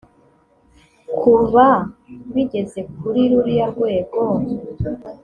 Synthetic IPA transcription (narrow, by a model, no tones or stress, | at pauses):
kʰuβaβiɟe̞ze̞k̚uɾiɾuɾijaɾɡwe̞ːɡo̞